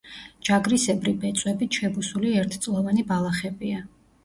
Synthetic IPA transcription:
d͡ʒaɡɾisɛbɾibɛt̪sʼwɛbiʃɛbusuliɛɾt̪ʰt̪sʼlˠɔvanibalˠaχɛbia

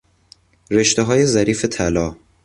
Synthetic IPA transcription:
ɾeʃt̪eɦɒːje̞zæɾiːfet̪ʰælɒː

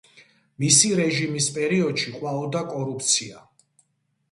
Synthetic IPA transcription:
misiɾɛʒimispʼɛɾiɔd̪̥ʃiqʼwaɔd̪akʼɔɾup̚ʰt̪sʰia

